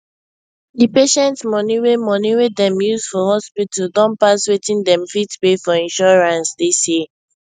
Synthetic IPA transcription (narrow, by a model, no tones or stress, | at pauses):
dipeʃɛ̃ntsmɔniwemɔniwedɛ̃mjuzfɔhɔspitəldɔ̃npaswetĩndɛ̃mfitpefɔĩnʃɔɹãnsdisjɛ